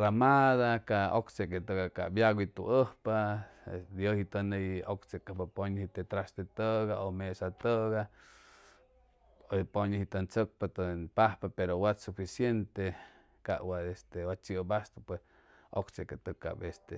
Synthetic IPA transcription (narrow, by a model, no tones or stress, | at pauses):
ramaðakaʔokt͡ʃeket̪əkaka̰bjaɣit̪ṵʔəhpa | d̪johit̪əneokt͡sekəhpapoɲhit̪et̪ɾasd̪et̪əɣaomesat̪əɡa | opoɲəhit̪ənt͡sək̚pat̪npahpapeɾowatsufisjent̪e | ka̰ʔwaest̪ewat͡ʃibast̪opwes | o̰kt͡ʃeket̪əka̰best̪ḛ